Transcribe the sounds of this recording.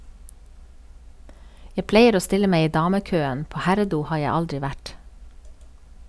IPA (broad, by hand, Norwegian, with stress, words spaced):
ˈjæ ˈpleɪəɾ ˈoː ˈstɪlə ˈmeɪ ˈiː ˈdɑːməˌkøːən ˈpoː ˈhæɾəˌduː ˈhɑː ˈjæ ˈɑldɹɪ ˈʋæʈ